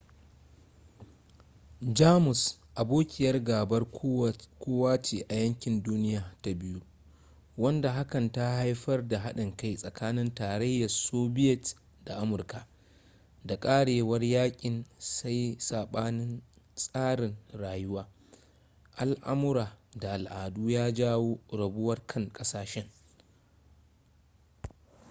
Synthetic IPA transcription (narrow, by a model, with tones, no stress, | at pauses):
d͡ʒaː˦mʊ˨sʔa˨boː˦kʲʼɪ˨jɐ˦rɡaː˨bɐ˦r | kʷoː˦waː˦t͡ʃiː˨ʔa˨jɐ˦ŋkʲɪ˨nduː˦nɪ˦jaː˨ta˦bɪ˦ju˦ | wɐ˦nda˨ɦa˦kɐ˨nta˦ha˦jɸɐ˦rda˨ɦa˦ɗɪ˨ŋka˦jsʼɐ˨kaː˦nɪ˦ntaː˨ɽɐ˦jːɐ˨rsoː˦bɪ˦jɛ˨t | da˨ʔa˦mʊ˨rka˨ | da˨kʼaː˦ɽeː˨wɐ˦rjaː˦kʲʼɪ˨nsa˦jsaː˨ɓaː˦nɪ˦nsʼaː˦ɽɪ˨nɽaː˨jʊ˦waː˦ | ʔa˨lʔa̰˦mʊ˦ɾaː˨da˨ʔa˨lʔaː˨duː˦jaː˦d͡ʒaː˦woː˦ɽɐ˨bʊ˦wɐ˦rkʰɐ˦ŋkʼɐ˦saː˨ʃɛ˦ŋ